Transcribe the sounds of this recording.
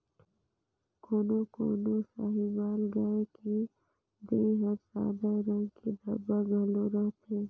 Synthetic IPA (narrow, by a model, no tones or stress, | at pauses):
koːnoko̰ːnosaːɦibaːlɡaeki | d̪eːɦɐɾsa̰ːd̪aɾɐ̃ŋɡkid̪ɐbaɡʱɐloɾɐt̪ʰeː